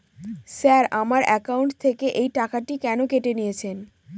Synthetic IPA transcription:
sɛɾamaɾʔɛkawɳʈt̪ʰekeʔejʈakaʈikɛnokeʈenijet͡ɕʰen

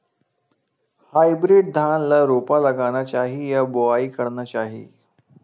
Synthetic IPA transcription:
hajbɾiɖ̚d̪ʱanlaɾupaləɡañat͡ɕaɦijaboaiːkəɾnat͡ɕaɦḭː

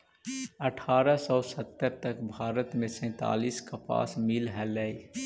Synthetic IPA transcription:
ɐʈʰaːɾəsɔːsət̪ːəɾt̪əkbʱaːɾət̪mẽsɛ̃ːt̪a̰ːliːskapa̰ːsmɪlɦɛlɛi

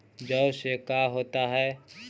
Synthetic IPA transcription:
d͡ʒəbsekaɦoːt̪aɦɛː

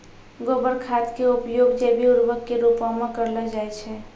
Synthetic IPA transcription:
ɡobəɾkʰat̪keupjoɡd͡ʒebʱiuɾʋəkːeɾupamẽkəɾləd͡ʒajt͡ʃʰɛ

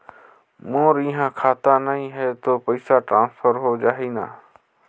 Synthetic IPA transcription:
mõːɾiɦãkʰaːt̪anɐĩɦɛt̪oːpɐɪsaʈɾãːnsfʰəɾɦoːd͡ʒaːɦiːna̰ː

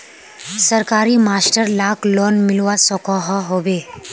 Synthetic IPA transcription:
səɾkaːɾimaːsʈəɾlaːklɔːnmɪlwasɔkɔɦaɦoːbeː

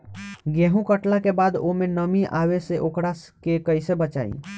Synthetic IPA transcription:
ɡeɦũkəʈlakebad̪omenəmiʔabeseʔokɾaskekəjsebət͡ʃaḭ

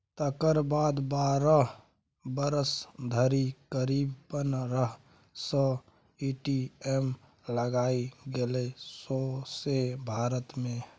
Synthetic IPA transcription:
t̪əkəɾbaːd̪baːɾə | bəɾəsd̪ʱəɾikəɾiːbpənɾəɦ | sɔ | iʈiem | ləɡaiɡelesosebʱaːɾət̪mẽ

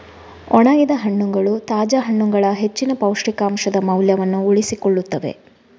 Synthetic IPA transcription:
ɔɳaːɡid̪ɐɦɐɳːuŋɡɐɭut̪aːd͡ʒɐɦɐɳːuŋɡɐɭɐɦe̞t͡ʃːinɐpɐwʂɾikaːmʂɐd̪ɐmɐwljɐʋɐnːuːɭisikoɭːut̪ːɐʋe̞̰

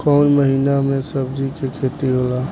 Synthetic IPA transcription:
kɔːnməɦiːnamẽsəbd͡ʒikekʰeːt̪iɦolaː

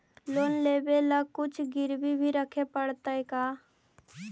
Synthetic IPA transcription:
loːnleːbeləkʊt͡ʃʰɡɪɾbibʱiɾəkʰepəɽt̪aekaː

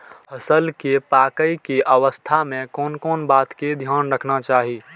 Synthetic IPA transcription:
həsəlkepaːkəikeʔəʋəst̪ʰamẽkɔːnkɔːnbaːt̪ked̪ʱjaːnɾəkʰnat͡ʃaːɦiː

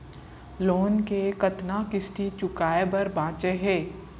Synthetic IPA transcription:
loːnkekɐt̪nakɪsʈit͡ʃʊkaːebɐɾbãːt͡ʃeɦɛː

